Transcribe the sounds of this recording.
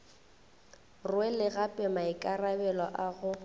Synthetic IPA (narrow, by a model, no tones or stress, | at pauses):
rwɛlɪɣapʼɛmaɪkʼarabɛlɔ̰ʔaɣʊ